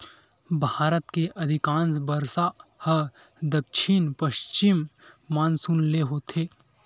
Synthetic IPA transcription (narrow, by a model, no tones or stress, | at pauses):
bʱaːɾət̪keʔɐd̪ʱɪkãːnsbəɾsahə | d̪əkʃʰɪnpəʃt͡ʃɪmːaːnsunleɦoːt̪ʰeː